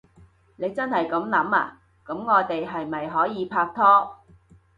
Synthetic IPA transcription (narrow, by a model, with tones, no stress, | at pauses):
ne˨˧jt͡sɐ˥nhɐ˨jkɐ˨˥mlɐ˨˥maː˧ | kɐ˨˥mŋɔː˨˧t̪e˨jɦɐ˨jmɐ˨jɦɔː˨˥jiː˨˧pʰaː˧k̚t̪ʰɔː˥